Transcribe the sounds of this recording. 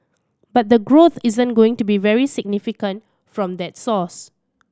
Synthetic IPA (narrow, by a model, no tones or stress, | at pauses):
bat̚d̪əɡɹot̪izə̃nɡoɪ̃ŋtubivɛɹisɪɡ̚nifikə̃nt | fɹɔ̃md̪ɛt̚sɔs